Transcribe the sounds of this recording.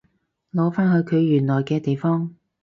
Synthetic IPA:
lɔː˨˧˥faː˥nhɵ˨˧ɥkʰɵ˨˧ɥːyː˨˩nlɔː˨˩jkɛː˧t̪e˨jfɔː˥ŋ

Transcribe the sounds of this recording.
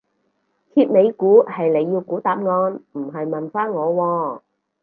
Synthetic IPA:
kʰiː˧p̚ne˨˧jkuː˨˥hɐ˨jle˨˧jːiː˧wkuː˨˥t̪aː˨p̚ŋɔː˧nm̩˨˩ɦɐ˨jmɐ˨nfaː˥nŋɔː˨˧wɔː˧

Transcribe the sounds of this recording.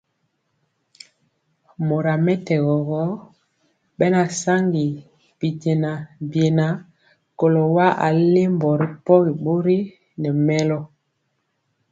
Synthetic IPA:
mo˨ɾa˨mɛ˦tɛ˨ɣɔ˨ɣɔ˦ | bɛ˦na˨sa˦ŋɡi˨ | b̥i˨te˨na˨bje˨na˨ | ko˨lo˨wa˦ʔa̰˨le˦mbɔ˨ɾi˦pɔ˦ɣi˨bo˦ɾi˦ | nɛ˨mɛ˦lɔ˦

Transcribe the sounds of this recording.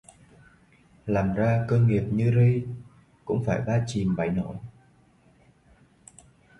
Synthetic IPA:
laː˨˩mzaː˧kəː˧nŋi˨˩əp̚ɲɨ˧zi˧ | kʊ̰˧˥ŋ͡mfaː˧˩jɓaː˧t͡ɕi˨˩mɓa̰˧˩jno̰˧˩˨

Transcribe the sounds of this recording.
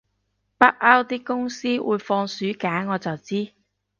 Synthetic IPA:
pɐ˥k̚ʔaː˥wt̪iː˥kʊ˥ŋsiː˥wʔṵː˨˧jfɔː˧ŋsyː˨˥kaː˨˥nŋɔː˨˧t͡sɐ˨wt͡siː˥

